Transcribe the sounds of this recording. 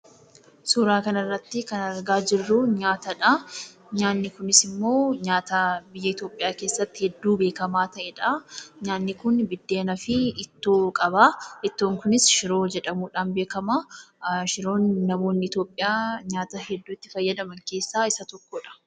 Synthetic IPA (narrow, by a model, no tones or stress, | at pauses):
suːɾaːkɐnɐrːɐt̪ːɪkɐnɐɾɡaːd͡ʒɪrːuɲaːt̪ɐᶑɐ | ɲaːnːɪkʊnɪsɪmːo̞ːɲaːt̪ɐbɪjːɐɪt̪jo̞ːpʼɪjaːke̞ːsːɐt̪ːɪ̥hɛd̪ːuːbe̞ːkɐmaːt̪ɐʔɛᶑɐɲaːnːɪkʊnbɪd̪ːeːnɐfɪɪt̪ːoːkʼɐbaːʔɪt̪ːo̞ːŋkʊnɪsʃɪɾo̞ːd͡ʒɛᶑɐmuːᶑaːnbe̞ːkɐmaːʃɪɾo̞ːnːɐmo̞ːnːɪɪt̪o̞ːpʼːɪjaːɲaːt̪ɐhɛd̪ːuːɪt̪ːɪ̥fɐjːɐd̪ɐmɐŋke̞ːsːaːɪsɐt̪ɔkːoᶑɐ̥